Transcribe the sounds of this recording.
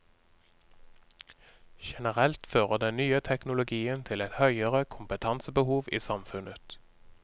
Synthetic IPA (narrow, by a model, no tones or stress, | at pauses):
ʃɛnəʁɛlt̪føːʁəd̪ɛnnyːət̪ʰɛknʊlʊɡiːənt̪ʰɪlɛt̪hœʏəʁəkʰʊmpət̪ʰɑnsəbəhuːʋiːsɑmfʉnət̪